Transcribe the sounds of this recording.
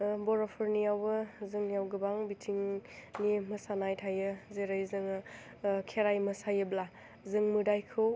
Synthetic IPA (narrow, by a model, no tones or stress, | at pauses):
bɔɾapʰɯɾnijawbɯzɯŋnijawɡɯbaŋbitʰiŋnimɯsanajtʰajɯzeɾajzɯŋ | kʰeɾajmɐsajɯbla | zɯŋmɯdajkʰɯw